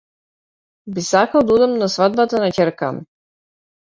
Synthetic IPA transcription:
bisakalˠd̪aud̪ɛmnasvad̪̚bat̪anacʲɛɾka̰m

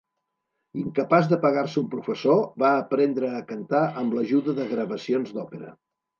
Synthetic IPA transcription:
iŋkəpazðəpəɣaɾsəumpɾufəsoβaːpɾɛnd̪ɾəːkənt̪aʔəmləʒuðəðəɣɾəβəsionzd̪ɔpəɾə̰

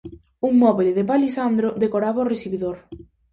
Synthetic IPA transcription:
uŋmɔβileðɪpalisand̪ɾod̪ekoɾaβaoresiβiðoɾ

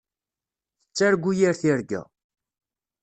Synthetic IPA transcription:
θət͡sːaɾɡʷːujiɾθiɾɡæ̰

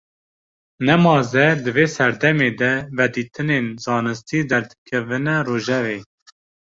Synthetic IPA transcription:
nɛmɑːzɛd̪ɨveːsɛɾd̪ɛmeːd̪ɛvɛd̪iːt̪ʰɨnenzɑːnɨst̪iːd̪ɛɾd̪ɨkʰɛvɨnɛroːʒɛveː

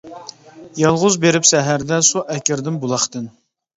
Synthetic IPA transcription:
jɑlˠʁʊzbeɾɪpsɛɦæɾd̪ɛsuʔɛkʲɪɾd̪ɪmbulˠɑχt̪ɨn

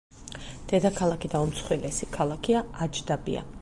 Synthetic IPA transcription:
d̪̥ɛd̪akʰalˠakʰid̪aumt̪sʰχwilɛsikʰalˠakʰiaad͡ʒd̪abḭa̰

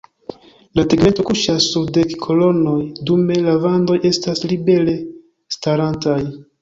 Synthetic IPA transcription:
lapiɡme̞nto̞kuʃasːuɾde̞kkʰo̞lo̞no̞jdume̞lavando̞jʔe̞staslibe̞ɾe̞ | staɾantaj

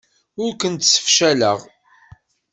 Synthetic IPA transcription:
ʊɾkʷənt̪sə̥fʃæləʁ

